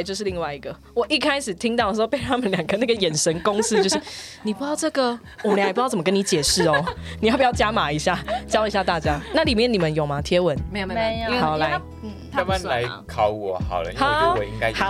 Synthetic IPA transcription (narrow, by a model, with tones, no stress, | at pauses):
t͡ɕo˥˧ʊʂ̬̩˥˧i˥˧ŋwa˥˩ɪi˧˦ɡə˨ | wɔ˨˩ʔi˦˩kʰa˥ɪʂɻ̩˨˩t̪ʰi˦˥ŋt̪ɑ˥˩ʊə˩ʂ̩˧˥o˥˧pe˥˩ɪt̪ʰa˥mə˨nljɑ˨˩ŋɡə˨na˥˩ɡə˨˩jɛ˨˩nʂə˧˦nko˦ŋs̩˥t͡ɕo˥˧ʊʂ̩˥˩ | ni˨˩pu˧˥jɑ˥˧ʊʈ͡ʂɤ˥˩ɡə˨ | wmə˦la˨˧˩pjt͡sə˨mə˧kə˦ni˧˦t͡ɕjɛ˨˩ʂɻ̩˥˩ɔ˦n˨˩jpjɑ˥˧ʊt͡ɕja˦˥ma˨˩i˧˦ɕja˥˩t͡ɕjɑ˥i˧˥ɕja˥˧t̪a˥˩t͡ɕja˦na˥˨li˨˩mjɛ˥˨ni˨˩mə˦njo˨˩ma˦t̪ʰjɛ˥wə˨˦n˦˨˧a˨˦la˨˧˦ɪ˩˥ | m˧˨nla˧˦ɪkʰɑ˨˧˦ʊwɔ˨˦hɑ̰˨˩ʊlə̰˦ha˥˨˦wi˦ŋka˦˨˦